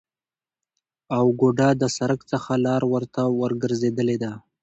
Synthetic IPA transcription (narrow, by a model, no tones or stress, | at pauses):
awɡoɖad̪əsaɾəkt͡səxalɑɾwəɾt̪awəɾɡəɾzed̪əled̪a